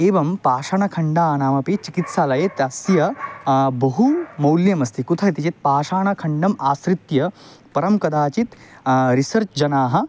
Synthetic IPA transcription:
eːʋɐmpaːʂaɳɐkʰɐɳɖaːnaːmɐpeːt͡ʃikit̪saːlɐjɐt̪ɐsjɐ | bɐɦumɐwljɐmɐst̪ʰikut̪ʰɐt̪it͡ʃit̪̚paːʂaːɳɐkʰɐɳɖɐmaːsɾit̪jɐpɐɾɐmkɐd̪aːt͡ʃit̪ɾisɐɾt͡ʃd͡ʒɐnaːɦɐ̆

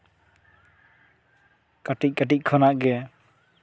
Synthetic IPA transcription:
kaʈic̚ˀkaʈ̬ic̚ˀkʰɔnaʔɡɛ

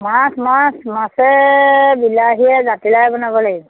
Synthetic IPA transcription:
masmãsmasɛbilaɦiɛzatilajbɔnabɔlaɡibɔ

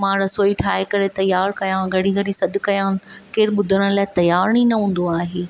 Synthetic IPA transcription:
mãɾɐsoːiʈʰaːekɐɾet̪ɐjaːɾkɐjãɡʱɐɽ̤iɡʱɐɽisɐɗʊ̆kɐjãn̆keːɾɓʊd̪ʱəəɽ̃laːɪt̪ɐjaːɾñinɐɦũːn̆d̪oaːɦeː

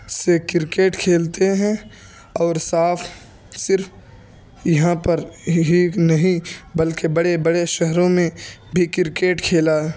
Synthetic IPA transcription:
sekɪɾkeːʈkʰeːlt̪eɦɛ̃ | ɔːɾsaːpʰ | sɪɾf | jɐɦãpɐɾɦinɐɦĩbɐlkebɐɽebɐɽeʃɛɦɾõmẽbʱikɪɾkeːʈkʰeːlaɦɛː

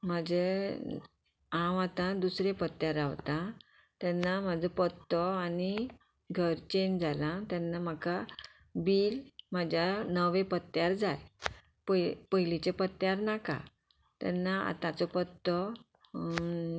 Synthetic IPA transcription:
məd͡ʑe | ãwat̪ãd̪usɾepət̪jaɾaʋt̪ã | t̪ɛnːam̤ad͡zʱəpət̪ːɔani | ɡʱəɾt͡ɕend͡zalãt̪jɛnːam̤aka | bilmad͡ʑʱjanəʋẽpət̪jaɾd͡zaj | pəpəɦilit͡ɕepət̪jaɾnaka̰ | t̪ɛ̰nːaa̰t̪ãt͡sɔpət̪ːɔ

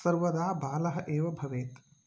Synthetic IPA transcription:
sɐɾʋɐd̪aːbaːlɐɦɐ̆ʔeːʋɐbʱɐʋeːt̪

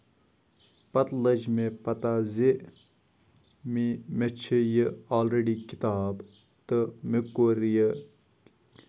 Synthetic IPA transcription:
pɐt̪lɐd͡ʒmẽpɐt̪aze | mimet͡ʃʰəjəaːlɾeɖikɪt̪aːb | t̪əmekːoːɾjə

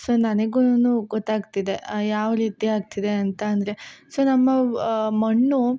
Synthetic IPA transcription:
so̞ːnɐneɡunːuɡɔt̪ːaːɡt̪id̪ejaːʋɐɾiːt̪iaːɡ̚t̪id̪e̞ɐnt̪ɐːnd̪ɐɾe̞so̞ːnɐmːɐmɐɳːu

